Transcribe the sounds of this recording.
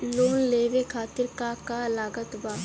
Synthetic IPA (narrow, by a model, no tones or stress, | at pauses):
loːnleːʋekʰaːt̪ɪɾkakalaːɡət̪baː